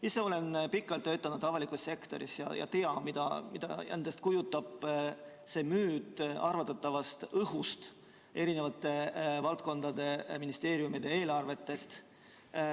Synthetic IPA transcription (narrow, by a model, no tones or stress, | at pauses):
isːeo̞le̞npikːˑɑlt̪ːø̞t̪ːˑɑnud̪̥ɑvɑlikˑusse̞kt̪o̞̰ɾḭsjɑ̰jɑ̰t̪e̞ɑmid̪̥ɑ̰mid̪ɑ̰æ̰nd̪̥est̪̚kujut̪ːˑɑb̥ | se̞ːmyːd̪ɑrvɑt̪ːˑɑt̪ːˑɑvɑst̪ɤɦust̪ | e̞ɾine̞vɑt̪ːˑe̞vɑlt̪̚ko̞nd̪̥ɑd̪e̞minist̪e̞ːɾijumid̪̥e̞e̞ːlɑrve̞t̪ːe̞st̪